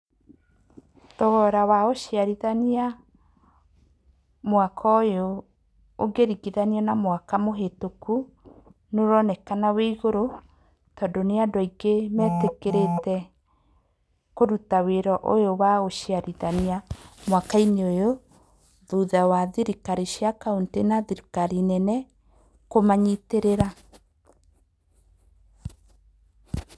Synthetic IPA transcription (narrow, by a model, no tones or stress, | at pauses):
tɔɣɔɾawaoɕiaɾiðania | mwakʰɔojoː | ɡeɾiɡiðaniɛnamwakamoɦetoku | noɾɔnɛkanaweiɣoɾo | tɔdoneadɔiɡemɛtekeɾetɛ | koɾutaweɾɔʔojowaoɕiaɾiðaniamwakaineojo | ðuðawaðiɾikaɾiɕjakauntenaðiɾikaɾinɛnɛ | komaɲiteɾeɾa